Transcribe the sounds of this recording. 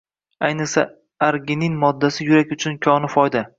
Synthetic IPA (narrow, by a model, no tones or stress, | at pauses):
ajnɪsa | aɾɡʲɪnɪnmɒd̪ːasɪjʊɾakʲʊt͡ʃʰʊnkʲʰɒnɪfɒjd̪a